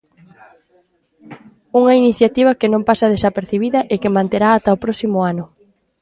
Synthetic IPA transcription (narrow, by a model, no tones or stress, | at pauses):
uŋɐiniθjat̪iβ̞ɐkenõmpasɐð̞esapeɾθiβ̞iðɐʔekemãnt̪eɾaːt̪aopɾɔsimʊanʊ